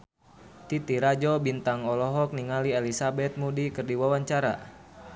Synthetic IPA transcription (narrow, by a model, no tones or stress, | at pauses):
t̪it̪iɾad͡ʒɔbint̪aŋɔlɔɦɔk̚niŋalielisabɛt̪̚mudikɨrdiwawaɲt͡ʃaɾa̰